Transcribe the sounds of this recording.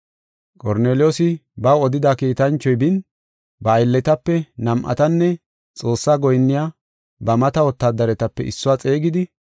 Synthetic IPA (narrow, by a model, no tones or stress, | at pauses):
kʼɔɾneːlɪjoːsɪbɐɔd̪ɪd̪akiːt̪ɐnt͡ʃːɔjbɪn | bɐːjlːɛt̪ɐpːɛnɐmʔɐ̰t̪ɐnːɛ | t͡sʼo̞ːsːaːɡɔjnːɪjaː | bɐmɐt̪ɐwɔt̪ːaːd̪ɐɾɛt̪ɐpːɛʔɪsːʊwaːt͡sʼe̞ːɡɪd̪ɪ